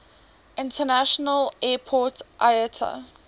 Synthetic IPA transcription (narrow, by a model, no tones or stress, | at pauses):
ɪ̃ntənaʃɔnəlɛːpʰɔtʔajətʰə̰